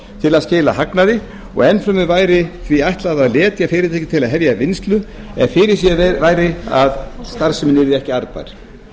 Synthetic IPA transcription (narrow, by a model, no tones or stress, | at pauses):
t̪ʰɪlaðscɪːla̰haknaðɪ | ɔ̰ɣɛnfɾamʏvaːjɾɪθviajht̪laðaðlɛːt̪jafɪːɾɪt̪ʰɛjcɪt̪ʰɪlaðɦɛvjavɪnst̪lʏɛ̰nfɪɾɪɾ̥sjɛvaːjɾɪa̰ðst̪aɾsʏmɪnːɪɾɪɾɛhcɪaɾpa̰jɾ̥